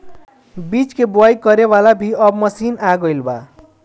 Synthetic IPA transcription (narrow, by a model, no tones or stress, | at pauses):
bit͡skebwajkʌɾewalabʱiʌbmʌsinaɡʌjlba̰